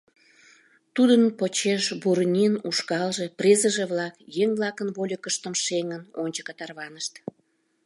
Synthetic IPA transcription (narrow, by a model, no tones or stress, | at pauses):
t̪ud̪ənpot͡ɕeʃburnʲinuʃkɑlʒe̽prʲezəʒeβlɑkjeŋβlɑkənβolʲəkəʃt̪əmʃeŋənonʲt͡ɕəkət̪ɑrβɑnəʃt̪